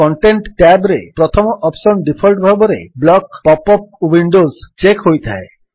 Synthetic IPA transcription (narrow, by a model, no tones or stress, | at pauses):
kɔɳʈeɳʈʈabɾḛpɾɔt̪ʰɔmɔʔɔpsɔnɖipʰɔlʈbʱabɔɾḛblɔkpɔpɔp̚wiɳɖozt͡ʃekɦojt̪ʰa̰e